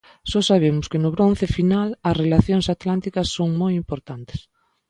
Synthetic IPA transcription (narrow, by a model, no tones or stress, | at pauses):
ʃɔsaβ̞emʊskɪnʊβɾon̟θefinalɐsrelaθjoŋsat̪lant̪ikɐsːoŋmojimpoɾt̪ant̪ɪ̥s